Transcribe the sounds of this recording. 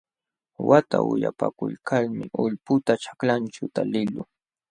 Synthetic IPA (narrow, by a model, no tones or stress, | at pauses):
wat̪a̰ʊjapakʊʎkʰalmɪʊʎpʊt̪at͡ʃḁklant͡ʃʊt̪alɪlʊ